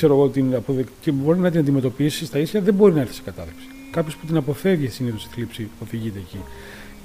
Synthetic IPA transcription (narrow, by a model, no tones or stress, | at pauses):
se̞ɾoɣot̪iɐpoðecebo̞ɾinɐt̪̬inɐnd̪ime̞t̪o̞pisist̪ɐisçɐðembo̞ɾinɐeɾθeise̥kɐt̪ɐðepsi̥ | kɐpço̞spu̥t̪inɐpo̞fe̞vʝessiniðosi̥θlipsio̞ðiʝit̪e̞ːci